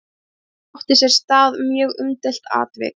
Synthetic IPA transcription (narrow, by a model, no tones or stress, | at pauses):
ɔht̪ɪ̥sjɛɾ̥st̪aːðmjœːɣʏmt̪ɛl̥t̪a̰ːt̪vɛ̰k